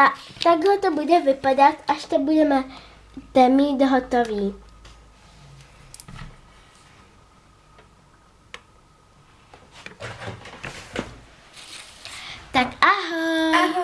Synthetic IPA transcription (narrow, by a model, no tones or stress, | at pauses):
at̪aɡlɔt̪ɔbudɛvɪpad̪at̪aʃt̪ɛbudɛmɛ | t̪ɛmid̪ɦɔt̪ɔviː | t̪akaɦ